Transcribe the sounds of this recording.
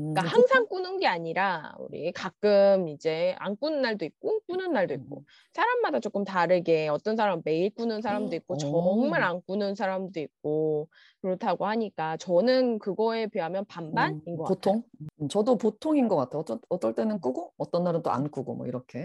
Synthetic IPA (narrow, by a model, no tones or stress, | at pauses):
k͈ahaŋsʰaŋk͈unɯnɡe̞aɲiɾaṵɾḭkak͈ɯmid͡ʑe̞a̰nk͈unɯnːaɭdoik̚k͈uk͈unɯnːaɭdoik̚k͈o̰ | sʰaɾamːadat͡ɕ͈ok͈ɯmtaɾɯɡe̞ʌt͈ʌns̬ʰaɾamːe̞iɭk͈unɯnsʰaɾamdoik̚k͈ot͡ɕʌŋmaɾank͈unɯns̬ʰaɾamdoik̚k͈o | kɯɾʌtʰaɡoɦhaɲik͈at͡ɕʌnɯnkɯɡʌe̞peamjʌnpambaninɡʌkatʰoŋɯt͡ɕʌdopotʰoŋinɡʌk͈atʰeʌʌt͈ʌɭt͈e̞nɯnk͈ɯɡoʌt͈ʌnːaɾɯnt͈o̰a̰nk͈ʰuɡo̰mwʌḭɾʌkʰe̞